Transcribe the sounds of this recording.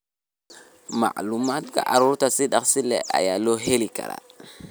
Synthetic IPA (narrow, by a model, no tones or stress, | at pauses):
ma̰ʔlumat̪ka̰ʔaɾuɾutasiɗaksilɛ̰a̰jaloɦelika̰ɾa̰